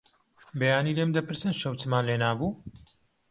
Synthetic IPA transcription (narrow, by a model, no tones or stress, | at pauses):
bejaːniːlemd̪ɐpɨɾsɨnʃɐwt͡ʃɨmaːnleːnaːbuː